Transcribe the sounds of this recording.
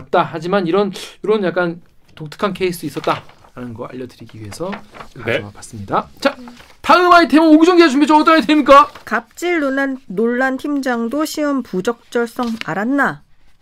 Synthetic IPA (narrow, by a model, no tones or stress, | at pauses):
p̚t͈ahad͡ʑimaniɾʌnoɾonjak͈an | tok̚tʰɯ̥kʰankʰeis͈ʰɯis͈ʌt̚t͈a | ɾanɯnɡʌa̰ʎːʌdɯɾiɡiɥiɦe̞sʰʌkaʌwapḁs͈ɯmɲidat͡ɕa | taɯmaitʰemooɡid͡ʑoŋɡeed͡ʑumed͡ʑoʌt͈ʌnait̬ʰeimik͈akap̚t͡ɕ͈iɭːonanːoɭːantimd͡ʑaŋdoɕʰiʌmpud͡ʑʌk̚t͡ɕ͈ʌɭs͈ʌŋa̰ɾanːa